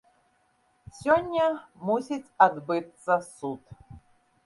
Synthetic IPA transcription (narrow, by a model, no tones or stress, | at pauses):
sʲɔnʲːɐmusʲit͡sʲɐd̪bɨt̪sɐsut̪